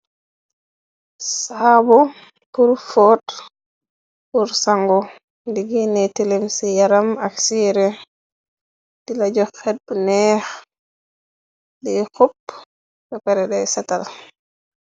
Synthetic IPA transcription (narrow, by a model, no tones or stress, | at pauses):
sabɔ | puɾfɔt | puɾsaŋɡɔ | diɡinɛtilemsijaɾamaksiɾɛ | d̥ilad͡ʒɔxɛdbunɛx | dɛxupː | ɗɔpɛɾɛɗɛjsɛtal